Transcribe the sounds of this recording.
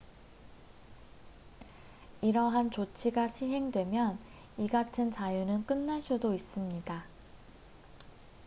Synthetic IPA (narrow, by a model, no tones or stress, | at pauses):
iɾʌɦant͡ɕot͡ɕʰiɡaɕʰiɦe̞ŋdwe̞mjʌn | iɡatʰɯnt͡ɕajunɯnk͈ɯnːaɕ͈udois͈ɯmɲida